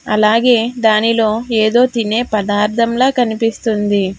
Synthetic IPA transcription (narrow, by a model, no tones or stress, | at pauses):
ɐ̰laːɡe̞ːd̪aːnilo̞ːeːd̪o̞ːt̪ine̞ːpɐd̪aːɾt̪ʰɐmlaːkɐnipist̪und̪i